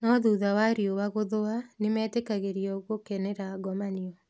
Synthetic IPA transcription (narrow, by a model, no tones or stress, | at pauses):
nɔðuːðawaɾiowaɣoðoanemɛːtekaɣeɾiɔɣokɛnɛɾaɡɔmaniɔ